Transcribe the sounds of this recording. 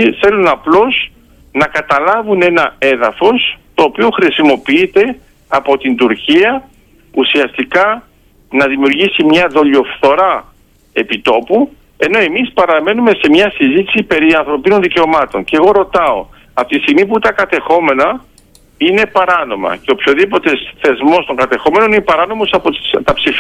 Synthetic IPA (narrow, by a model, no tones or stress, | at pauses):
θe̞lunɐplo̞s | nɐkɐt̪ɐlɐvune̞nɐe̞ðɐfo̞st̪o̞ːpioxɾisimo̞piit̪e̞ | ɐpo̞t̪ind̪uɾciɐ | usiɐst̪ikɐ | nɐðimiuɾʝisimɲɐðo̞ʎo̞fθo̞ɾɐ | e̞pit̪o̞pu | e̞no̞e̞mispɐɾɐme̞nume̞se̞mɲɐsizit̪i̥sipe̞ɾiɐnθɾo̞pino̞nðice̞o̞mɐt̪o̞ɲce̞ɣo̞ɾo̞t̪ɐo̞̰ | ɐft̪iist̪iɣmip̬ut̪ɐkɐt̪e̞xo̞me̞nɐ | ine̞pɐɾɐno̞mɐ̰ceo̞pçoðipo̞t̪e̞sθe̞zmo̞st̪o̞ŋɡɐt̪e̞xo̞me̞no̞ninepɐɾɐno̞mo̞sɐpot̪st̪ɐpsif